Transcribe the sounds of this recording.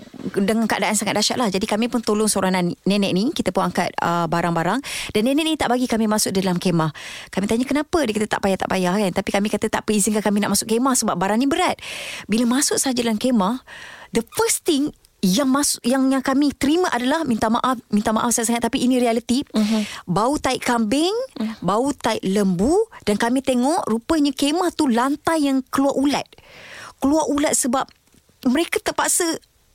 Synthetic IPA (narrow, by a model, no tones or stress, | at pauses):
dəŋankaʔadaʔansaŋat̪̚daʃa̰ʔlahd͡ʒadikamĩpʊnt̪olʊŋsoɾananːɛnɛʔ̚nikit̪əpʊnaŋkat̪̚ə̰baɾaŋbaɾaŋdanːɛnɛʔ̚iit̪aʔbaɡikamĩmasʊk̚dadalamkemahkamit̪aɲakənapədikit̪ət̪a̰ʔpajaht̪a̰ʔpajahkant̪apikamĩkat̪ət̪aʔpəizinkakamĩnaʔmasʊʔkemahsəbap̚baɾaŋnibəɾat̪̚biləmasʊk̚səad͡ʒadalamkemahdəfəst̪iŋ | jaŋmasʔjaŋjaŋkamĩt̪əɾimãʔadalahmint̪amaʔafmĩnt̪ama̰ʔafsajaʔsaŋat̪̚ːapiːnĩɾialət̪i | baut̪aɪʔkambɪŋbaut̪aɪʔləmbud̥ankamĩt̪eŋɔʔɾupəɲãkemaht̪ulant̪ajːaŋkəluaʔula̰t̪̚kəluaɾulat̪̚səbap̚ | məɾekat̪əpaʔsə